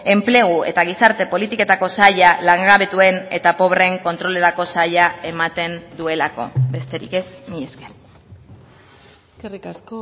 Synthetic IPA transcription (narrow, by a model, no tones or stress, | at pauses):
e̞mple̞ɣ̞ue̞̰t̪aɣ̞isaɾt̪e̞po̞lit̪ike̞t̪ako̞saʎalaŋɡaβe̞t̪ue̞ne̞t̪apo̞βre̞ŋko̞nt̪ɾo̞le̞ɾako̞saʎae̞mat̪e̞nd̪ue̞lako̞̰be̞st̪e̞ɾḭke̞smiesken | skerikasko